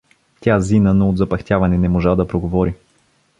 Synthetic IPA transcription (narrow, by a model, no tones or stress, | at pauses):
t̪ʲjazinənood̪zɐpɐxt̪ʲjavɐnɛnɛmoʒad̪ɐpɾoɡovɔɾi